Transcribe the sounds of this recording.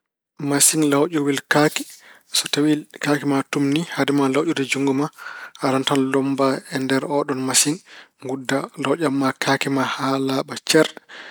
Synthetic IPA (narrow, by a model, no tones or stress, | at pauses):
masinlawʔɔwilkakɛ̥ | sɔtawilkaːkɛmatumnihadɛmalawʔudɛd͡ʒuŋɡumaʔaɾantanlɔmbaɛndɛɾɔɗɔnmasinŋɡudːalawʔamːakʰaːkɛmahalaɓat͡ʃɛɾɗ